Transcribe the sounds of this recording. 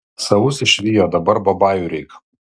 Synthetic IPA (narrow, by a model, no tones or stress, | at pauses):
sɐʋʊsɪʃʲʋʲiːjoːd̪ɐbɐɾbɐbɑːjʊɾʲɛɪk